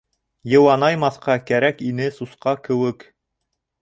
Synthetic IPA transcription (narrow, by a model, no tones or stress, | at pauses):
jɤ̆wɑnɑjmɑθqɑkæɾækinɘsusqɑkɘ̆wɘk